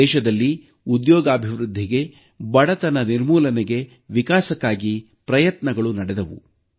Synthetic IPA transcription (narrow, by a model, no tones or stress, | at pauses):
ɛːʃɐd̪ɐlːi | ud̪jɔːɡaːbʱiʋɾud̪ʱːiɡe̞ | bɐɽɐt̪ɐnɐniɾmuːlɐnɛɡe̞ | ʋikaːsɐkːaːɡi | pɾɐjɐt̪nɐɡɐɭunɐɽɛd̪ɐʋṵ